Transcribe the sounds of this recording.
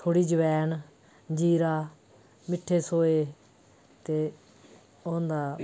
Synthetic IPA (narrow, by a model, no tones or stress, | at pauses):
t̪ʰoːɽiːd͡ʒəʋɛːn | d͡ʒiːɾaː | mɪʈʰːeːsoːeː | t̪eː | oːnd̪aː